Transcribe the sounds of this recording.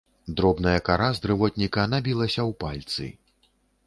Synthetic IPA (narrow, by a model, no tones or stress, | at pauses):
d̪ɾɔbnɐjɐkaɾazd̪ɾɨvɔt̪ʲnʲikɐnabʲilˠɐsʲɐwpalʲt̪sɨ̰